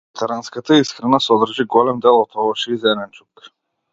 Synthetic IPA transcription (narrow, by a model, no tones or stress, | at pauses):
t̪ʰaɾanskat̪aiskɾɛnasɔd̪r̩ʒiɡɔlɛmd̪ɛlˠɔt̪ɔvɔʃiizɛnɛnt͡ʃuk